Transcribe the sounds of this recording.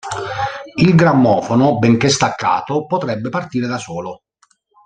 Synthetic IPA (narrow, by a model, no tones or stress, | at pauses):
ilɡɾamːɔːfonobɛŋk̟est̪akʰːa̰ːt̪opot̪ɾɛbːepart̪iːɾed̪asɔːlo